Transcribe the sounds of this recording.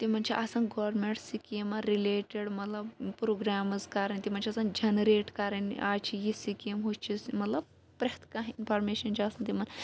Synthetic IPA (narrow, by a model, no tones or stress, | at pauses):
t̪imɐnt͡ʃʰiʔɐsɐnɡɐʋɾmeɳʈsikemɐɾileːʈeɽmɐt̪lɐbpɾoːɡɾaːmɐzkaɾɐnʲt̪imɐnʲt͡ʃʰiɐsɐnd͡ʒɐnɾeːʈkɐɾɐnʔaːt͡ʃʰijisikɐmɦot͡ʃʰismɐt̪lɐb̚ | pɾɐht̪kaɦinpʰɐɾmeːʃɐnt͡ʃʰiɐsɐnt̪imɐn